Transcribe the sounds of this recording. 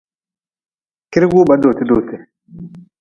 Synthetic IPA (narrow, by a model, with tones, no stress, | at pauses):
ki˦ɾɡu˦ba˨˦do˨ti˦do˨te˨